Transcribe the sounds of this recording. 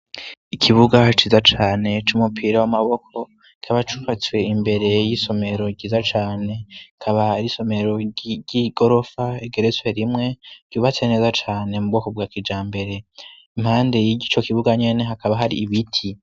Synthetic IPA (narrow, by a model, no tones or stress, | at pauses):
ikʰiβuɡat͡ʃiːzat͡ʃaːne̞t͡ʃumupʰiɾawamaβo̞kʰo̞ | ikʰaβat͡ʃuβat͡swe̞imbe̞ɾe̞jiso̞me̞ɾo̞ɟɟiːzat͡ʃaːne̞kʰaβaiɾiso̞me̞ɾo̞ɟiɡ̥o̞ɾo̞faeɡeɾet͡swe̞ɾimŋe̞ɟ̥uːβat͡swene̞ːzat͡ʃaːne̞mub̚ɡo̞ːkob̚ɡaːkid͡ʒaːmbe̞ɾe̞ | imhaːnde̞jiɟit͡ʃo̞kiβuɡaɲe̞ne̞ɦakaβaɦaɾḭːβitʰi